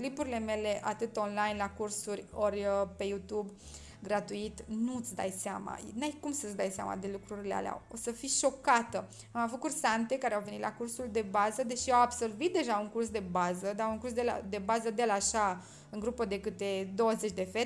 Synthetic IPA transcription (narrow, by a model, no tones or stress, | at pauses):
klipuɾile̞me̞le̞ʔat̪ɨt̪o̞nlajnlakursurʲorʲəpe̞jut̪ub | ɡɾat̪uit̪nut̪sd̪a̰jseama̰najkumsət̪sd̪ajsea̰ma̰d̪e̞lukɾuɾilea̰lea̰osəfiʃo̞kat̪ə | amavut̪̚kursant̪e̞kaɾeawvenit̪lʔakursuld̪e̞bazəd̪e̞ʃiawabso̞rvit̪̚d̪e̞ʒauŋkurs̬d̪e̞bazəd̪auŋkurs̬d̪ela̰d̪e̞bazəd̪elaʃa | ɨŋɡɾupəd̪e̞kɨt̪e̞d̪o̞wəze̞t͡ʃʲd̪e̞fe